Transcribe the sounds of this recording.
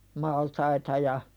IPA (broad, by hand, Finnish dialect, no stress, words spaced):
mɑltɑitɑ jɑ